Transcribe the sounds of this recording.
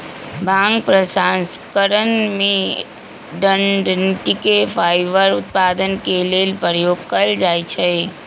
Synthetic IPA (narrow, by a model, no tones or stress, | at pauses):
bʱãŋɡ̚pɾəsanskəɾənmẽ | ɖəɳɖnʈikepʰajʋəɾʊt̪̚pad̪ənkelelpəɾjoɡ̚kəld͡ʒaːjt͡ʃʰe